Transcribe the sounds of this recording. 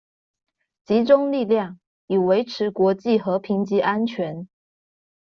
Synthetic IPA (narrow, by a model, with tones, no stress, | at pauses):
t͡ɕi˧˥ʈ͡ʂʊ˥ŋli˥˧ljɑ˥˩ŋ | i˨˩we˧˥ɪʈ͡ʂʰɻ̩˧˥kwɔ˧˥t͡ɕi˥˩xɤ˧˥pʰi˧˥ŋt͡ɕi˧˥ʔa˥nt͡ɕʰɥɛ˧˥n